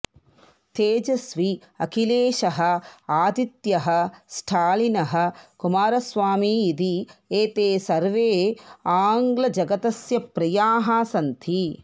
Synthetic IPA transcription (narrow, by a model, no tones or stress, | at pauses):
t̪eːd͡ʒɐsʋi | ɐkʰileːʃɐɦɐ̆aːd̪it̪jɐɦɐ̆sʈʰaːlinɐɦɐ̆kumaːɾɐsʋaːmiːd̪ieːt̪eːsɐɾʋeːaːŋɡlɐd͡ʒɐɡɐt̪ɐsjɐpɾɐjaːɦasɐnt̪ʰi